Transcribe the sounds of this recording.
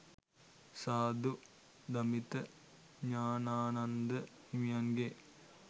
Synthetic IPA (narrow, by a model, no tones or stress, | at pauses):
saːd̪u | d̪ɐmit̪ə | ɲaːnaːnɐnd̪əhimijanɡe